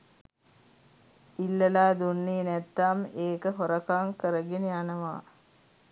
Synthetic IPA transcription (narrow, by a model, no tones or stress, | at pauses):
ilːəlaːd̪unːiːnæt̪ːameːkəɦoɾəkaŋkəɾəɡeneanəʋa̰ː